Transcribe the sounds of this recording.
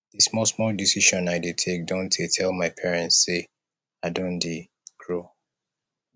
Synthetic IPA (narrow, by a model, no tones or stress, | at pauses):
ð̥ismɔlsmɔldisiʃɔ̃naɪdetʰek̚dõntʰetʰɛlˠmaɪpʰɛɹɛ̃ntsːe | aɪdõnde | ɡ̥ɹo